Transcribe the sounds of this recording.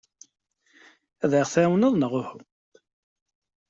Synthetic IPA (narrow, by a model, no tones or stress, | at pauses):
æðəʁθæwnəðˤnəʁʊhʊ